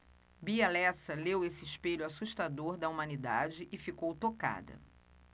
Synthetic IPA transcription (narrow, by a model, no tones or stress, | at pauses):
bialɛsɐlewesɪɪʃpeʎʊasuʃt̪ad̪oɾd̪ɐumɐ̃nid̪ad͡ʒɪʔɪfikowt̪oka̰d̪ɐ̰